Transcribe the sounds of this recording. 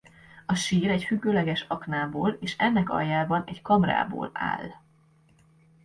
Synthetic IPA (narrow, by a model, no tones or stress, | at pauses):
ɒʃiːɾɛcfyɡːøːlɛɡɛʃɒknaːboːleːʃɛnːɛkɒ̰jːaːbɒnɛckɒmra̰ːbo̰ːla̰ːl